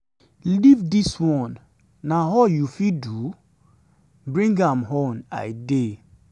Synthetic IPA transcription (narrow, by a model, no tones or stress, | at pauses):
livdiswɔ̃nː | aɦɔjufidu | bɹĩŋɡãmɦõna̰ɪde